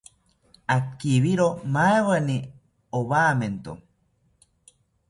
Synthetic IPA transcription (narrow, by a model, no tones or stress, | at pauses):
akiβiɾomaewani | oβaːment̪o̰